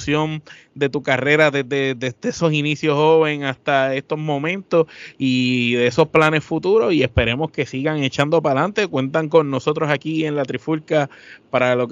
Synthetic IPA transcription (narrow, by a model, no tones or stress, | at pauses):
sjo̞n | d̪e̞t̪ukare̞ɾaðeðe̞d̪ed̪eeso̞sinisjo̞sho̞βe̞ŋast̪ae̞st̪o̞zmõ̞mẽ̞nt̪o̞siðeeso̞splane̞sfut̪uɾo̞sie̞spe̞ɾe̞mo̞hke̞siɣaŋe̞t͡ʃand̪o̞palant̪e̞kwe̞nt̪aŋko̞nːo̞so̞t̪ɾo̞sakie̞nlat̪ɾifulkapaɾalo̞k